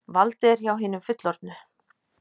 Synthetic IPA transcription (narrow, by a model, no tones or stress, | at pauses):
valt̪ɪɛɾ̥çawɦiːnʏmfʏt̪lɔɾt̪nʏ